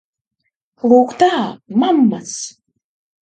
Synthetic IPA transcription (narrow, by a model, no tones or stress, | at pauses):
lˠuːkt̪aːmamːas